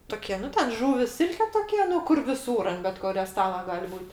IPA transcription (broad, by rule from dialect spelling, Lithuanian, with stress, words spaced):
ˈtʊkʲiɛ ˈnʊ tʲɛn ˈʒʊʋʲɪs ˈsʲɪlʲkʲɛ ˈtoːkʲiɛ ˈnʊ ˈkʊr ʋʲɪˈsuːr ɐnt bʲɛt ˈkʊrʲoː ˈstɑːlˠɐ ˈɡɐlʲ ˈbuːtʲ